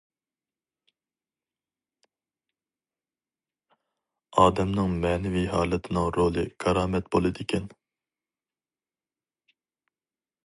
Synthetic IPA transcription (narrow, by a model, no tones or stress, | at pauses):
ɑːd̪ɛmnɨŋmɛːnɪvijɦɑːlˠɨt̪ʰɪnɪŋɾolˠɨkʰɑɾɑːmɛt̪bolˠɨd̪ɪkʲʰɛn